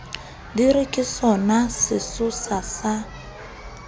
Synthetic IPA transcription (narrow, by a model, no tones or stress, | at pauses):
dirikʼɪsɔnasɪsʊsasa